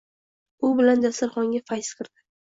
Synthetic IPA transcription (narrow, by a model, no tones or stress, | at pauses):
ʊbɪland̪asɪɾχɒŋɡʲafajsqʰɨɾd̪ɪ